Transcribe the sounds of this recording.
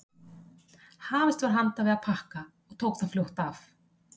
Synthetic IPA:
haːvɪst̪vaɾ̥ɦant̪avɛaðpʰahka | ɔɣt̪ʰoːwkθaðfljowht̪af

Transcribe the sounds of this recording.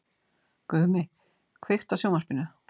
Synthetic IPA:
kʏːmɪ | kʰvext̪asjowmar̥pɪnʏ

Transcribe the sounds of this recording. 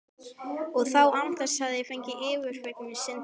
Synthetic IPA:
ɔɣθawant̪ḁshaðɪɪfɛɲcɪʔɪːvʏɾ̥fɛknmɪsɪn

